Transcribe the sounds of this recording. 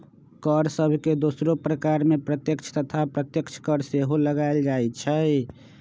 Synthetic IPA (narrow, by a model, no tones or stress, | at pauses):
kəɾsəbʱked̪osɾopɾəkaɾmepɾət̪jəkt͡ʃʰt̪ət̪ʰapɾət̪jəkt͡ʃʰkəɾseɦoləɡaeld͡ʒajt͡ʃʰə